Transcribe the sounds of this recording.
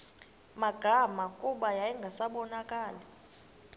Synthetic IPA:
maɡ̥ʱamakʼuɓajajɛŋɡʱasaɓɔnakʼaːla

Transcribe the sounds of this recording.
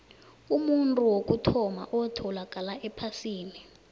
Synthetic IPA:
umuntʼuwok̬ʼutʰɔma̰ʔɔtʰɔlakʼalaʔɛpʰasiːni

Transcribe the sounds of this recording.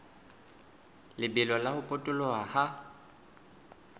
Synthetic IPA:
lɪbɪlɔlahʊpʼʊtʼʊlɔaha

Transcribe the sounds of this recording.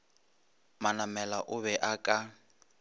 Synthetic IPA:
manamɛlaʔʊβɛʔakʼa

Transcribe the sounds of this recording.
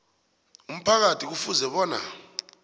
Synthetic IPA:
um̩pʰak̬atʰik̬ufuzɛɓɔːna̰

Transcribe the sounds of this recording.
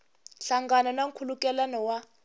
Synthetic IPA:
ɬaŋɡananaŋ̩kʰulukʼɛlanɔwa

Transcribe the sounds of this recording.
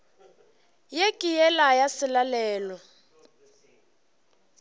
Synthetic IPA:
jekʼijɛlajasɪlalɛːlɔ

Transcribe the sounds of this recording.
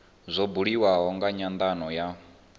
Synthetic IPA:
zʷɔbuɺiwaɦɔŋɡaɲand̪anɔja

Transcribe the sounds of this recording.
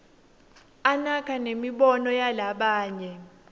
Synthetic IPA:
anakʰanemiɓɔnɔjalaɓaːɲɛ

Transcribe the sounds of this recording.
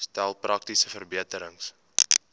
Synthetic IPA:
stælˠprʔɐk̚tisəfərbiətəɾəŋs

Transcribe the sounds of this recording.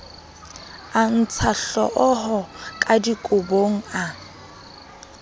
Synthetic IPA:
an̩t͡sʰaɬɔ̰ʔɔɦɔkʼadikʼʊboŋ̩a

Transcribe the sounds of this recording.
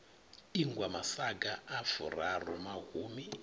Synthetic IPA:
iŋɡwamasaɡaːfṵrarɔmaɣuːmi

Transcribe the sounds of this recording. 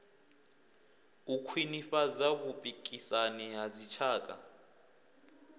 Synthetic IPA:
ukʰwiniɸazaβupʼikʼisanɛɦazit͡ʃʰaːkʼa̰

